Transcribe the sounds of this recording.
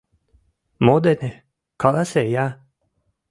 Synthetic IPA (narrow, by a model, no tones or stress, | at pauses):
mod̪ene | kʰɑlaseja